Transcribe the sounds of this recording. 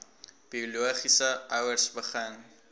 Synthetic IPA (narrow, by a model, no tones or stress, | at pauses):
b̥iuluəχisəœwərsbəχəŋ